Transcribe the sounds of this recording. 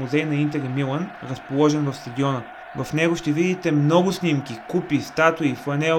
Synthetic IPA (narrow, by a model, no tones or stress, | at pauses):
muzɛjnɐint̪ɛɾimilˠənɾəspolˠɔʒɛnvɐfst̪ɐd̪ʲiɔnə | vɐfnɛɡoʃt̪ɛvid̪it̪ɛmnɔɡʊsnimkʲikupist̪at̪ʊifɐnɛ